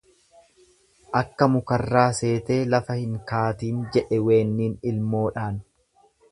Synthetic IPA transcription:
ʔɐkːɐmʊkɐrːaːse̞ːt̪e̞ːlɐfɐhɪŋkaːt̪iːnd͡ʒɛᶑɛwe̞ːnːiːnɪlmo̞ːᶑaːn

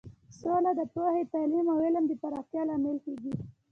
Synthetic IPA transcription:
solad̪əpohet̪alimawɪləmd̪əpaɾɑxt̪jɑlɑmɪlkeɡi

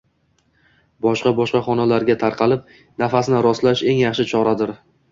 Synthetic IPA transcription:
bɒʃqɑbɒʃqɑχɒnalaɾɡʲat̪ʰaɾqʰɑlɪp̚ | nafasnɪɾɒslaʃe̞ŋjɑχʃɪt͡ʃʰɒɾad̪ɪɾ

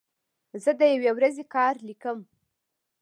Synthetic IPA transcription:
zəd̪əjawewɾazekɑɾlikəm

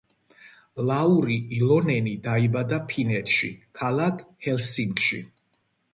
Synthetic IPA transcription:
lauɾiʔilɔnɛnid̪aibad̪apʰinɛt̪ʰʃḭkʰalˠakʰhɛlsiŋkʼʃḭ

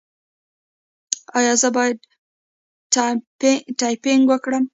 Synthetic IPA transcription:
ɑjɑzəbɑjad̪ | ʈɑjpɪŋɡwəkɽəm

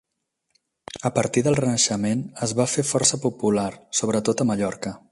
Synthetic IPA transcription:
əpəɾt̪iðəlˠrənəʃəmenəzβafefɔrsəpupulaɾsoβɾət̪ot̪əməʎɔɾkə

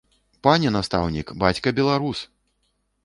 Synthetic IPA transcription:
panʲɛnast̪a̰wnʲikbat͡sʲkɐbʲɛlˠaɾus

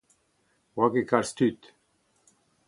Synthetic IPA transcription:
wakekaɾst̪ʰyt̪

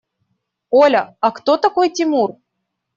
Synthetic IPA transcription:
olʲəakt̪ot̪akojt̪ʲimur

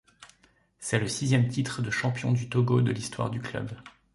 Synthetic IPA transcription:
sɛləsizjɛmt̪it̪χəd̪əʃɑ̃pjɔ̃d̪yt̪oɡod̪əlist̪wa̰ʁd̪yklœ̰b

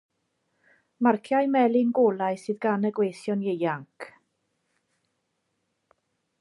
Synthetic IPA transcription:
markʰjajmɛlˠɪnɡoːlˠajsɨːðɡanəɡwejθjɔnjejaŋkʰ

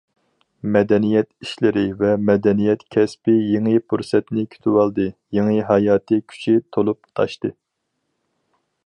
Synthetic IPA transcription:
mɛd̪ɛnijɛt̪iʃlɪɾɪvɛmɛd̪ɛnijɛt̪kʲʰɛspɪjeŋɨpʰuɾsɛt̪nɪkʲʰy̥t̪ʰywɑlˠd̪ɨjeŋɨɦɑjɑːt̪ʰɨkʲʰy̥t͡ʃʰit̪ʰolˠup̚t̪ʰɑ̰ʃt̪ɨ

